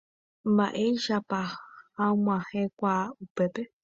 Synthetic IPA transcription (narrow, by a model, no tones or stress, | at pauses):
mba̰ʔejʃapahãmãhẽkʷaupepe